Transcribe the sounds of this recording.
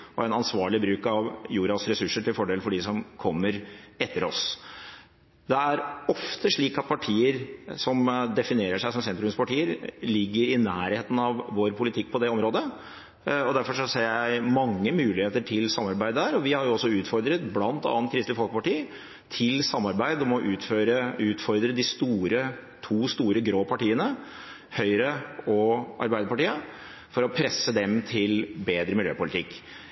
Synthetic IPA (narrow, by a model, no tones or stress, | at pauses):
ɔɛnɑnsʋɑːɭɪbɾʉːkɑʋjuːɾɑsɾɛsʉʂəʈɪlfɔɖeːlfɔɖɪsɔmkʰɔmːəɾɛt̪ʰːəɾɔ̰s | d̪ɛæɾɔft̪ʰəʂɭiːkɑt̪̚pʰɑʈʰiːəɾsɔmd̪ɛfɪneːɾəʂæɪsɔmsɛnt̪ɾʉmspɑʈiːəɾlɪɡːəɾɪnæːɾheːt̪n̩ɑʋʋoːɾpʰʊlɪt̪ʰɪk̚ːpʰɔd̪ɛɔmɾoːd̪ə | ɔd̪æɾfɔʂɔseːɾjæɪmɑŋːəmʉːlɪheːt̪əʈʰɪlsɑmːɑɾbæɪd̪əæːɾɔʋɪhɑɾjʊɔsːɔʉːt̪fɔɾd̪ɾət̪blɑnt̪ɑ̰ːən̚kʰɾɪst̪ɪfɔlkəpɑʈiː | t̪ʰɪlsɑmːɑɾbæɪd̪ɔmɔʔʉːt̪føːɾəʉːt̪fɔɾd̪ɾəd̪ɪst̪uːɾət̪ʰuːst̪uːɾəɡɾoːpʰɑʈiːənə | hœʏɾəɔʔɑ̰ɾbæɪd̪əpɑʈiːə | fɔɾɔpʰɾɛsːəd̪ɛmt̪ʰɪlbeːd̪ɾəmɪljø̰ːpʊlɪt̪ɪkː